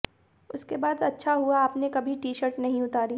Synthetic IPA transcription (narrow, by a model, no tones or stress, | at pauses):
ʊskebaːd̪ɐtːʃʰaɦuaːpnekɐbʱiʈiːʃəɾʈnɐɦĩʊt̪aːɾi